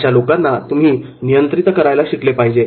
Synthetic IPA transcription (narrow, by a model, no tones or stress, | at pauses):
t͡ɕalokanːat̪um̤iː | nijənt̪ɾit̪kəɾajlaɕiklepaɦid͡ʑe